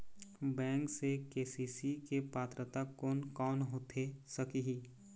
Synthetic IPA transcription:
bɛ̃ːŋksekeːsiːsikepaːt̪ɾət̪akoːnkɔːnɦoːt̪ʰesəkiɦiː

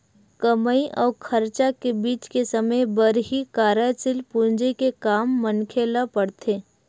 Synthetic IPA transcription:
kəməiʔɔːɾkʰɐɾt͡ʃakebiːt͡ʃkesɐməjbəɾɦikaːɾat͡ʃɪlpund͡ʒəikekaːmːənkʰeːlapəɽt̪ʰeː

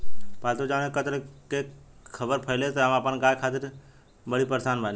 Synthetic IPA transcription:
paːlt̪od͡ʒaːnekət̪ɾkekʰəbəɾpʰəɪleːt̪əəmaːpənɡaːjkʰaːt̪ɪɾ | bəɽipəɾsaːnbal

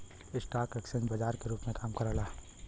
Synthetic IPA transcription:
ɪsʈaːkɛksənbɐd͡ʒaːɾkeɾuːpmẽkaːmkɐɾalaː

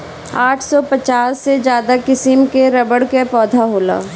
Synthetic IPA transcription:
aːʈʰsɔpɐt͡ʃaːsːed͡ʒjaːd̪akɪsɪmkeɾɐbəɽkepɔːd̪ʱaɦoːla̰ː

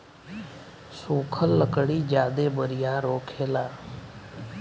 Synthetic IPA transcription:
suːkʰəlːəkɽiːd͡ʒjaːd̪eːbəɾɪjaːɾoːkʰeːlaː

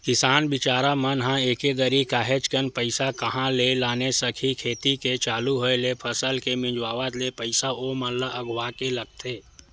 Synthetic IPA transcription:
kɪsaːnbɪt͡ʃaːɾamənɦãeːkeɡ̪əɾikaːɦet͡ʃkənpəɪsakəɦãlelaːnesəkʰikʰeːt̪iket͡ʃaːluɦoelepʰəsəlkemɪ̃d͡ʒwaːʋat̪lepəɪsaoːmələʔəɡwaːkeləɡ̚t̪ʰeː

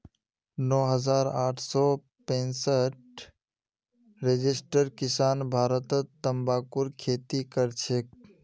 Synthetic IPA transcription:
nɔːɦəzaːɾaːʈʰsɔː | pẽːnsəʈ̚ | ɾed͡ʒɪsʈəɾkɪsaːnbʱaːɾət̪ət̪ːəmbaːkʊɾkʰeːt̪ikəɾt͡ʃʰek̚

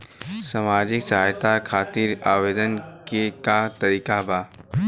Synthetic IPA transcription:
samaːd͡ʒɪksɦaːjt̪akʰaːt̪iːɾaːʋeːd̪ənkekat̪ɐɾiːkabaː

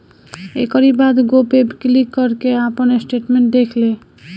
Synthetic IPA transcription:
ekɔɾibad̪ɡopebklikːɔɾkeapənesʈeʈmeɳʈ̚d̪ekʰle

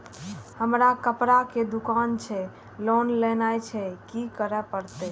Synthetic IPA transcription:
həmɾakəpɾaked̪ukant͡ʃʰɛ | lonlɛnajt͡ʃʰɛkikəɾɛpəɾt̪ɛ

